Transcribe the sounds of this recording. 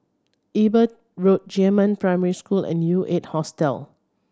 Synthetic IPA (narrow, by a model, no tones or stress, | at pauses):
ʔibət | ɹot̚d͡ʒɛmə̃npɹaɪmɛɹiskulɛ̰̃nːjuʔet̚hɔstɛ̰l